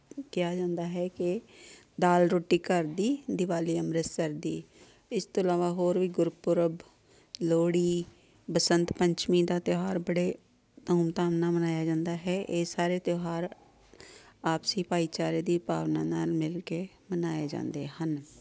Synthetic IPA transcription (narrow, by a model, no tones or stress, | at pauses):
kɪjaːd͡ʒãːnd̪aːɦɛːkɪ | d̪aːlɾoːʈːiːkəɾd̪iːd̪ɪʋaːliːəmɾəsəɾd̪iː | ɪst̪õːəlaːʋaːɦoːɾʋiːɡʊɾpʊɾəb | loːɽiː | bəsənt̪pəɲt͡ʃmĩːd̪aːt̪joɦaːɾbəɽeː | t̪əuːmt̪aːʋnaːmənaːjaːd͡ʒãːnd̪aːɦɛːʔeːsaːɾeːt̪joɦaːɾ | aːpsiːpaːiːt͡ʃaːɾeːd̪iːpa̰ːʋnaːnaːlmɪlkeː | mənaːeːd͡ʒã̰ːnd̪eːhən